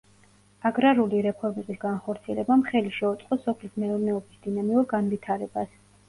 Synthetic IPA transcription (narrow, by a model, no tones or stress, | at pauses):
aɡɾaɾuliɾɛpʰɔɾmɛbisɡanχɔɾt̪sʰiɛlɛbamχɛliʃɛut̪sʼqʼɔsɔpʰlismɛuɾnɛɔbisd̪̥inamiuɾɡanvit̪ʰaɾɛbas